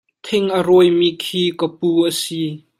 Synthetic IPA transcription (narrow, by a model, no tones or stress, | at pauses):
t̪ʰɪŋʔəɾɔjmiːkʰiːkəpuːʔəsiː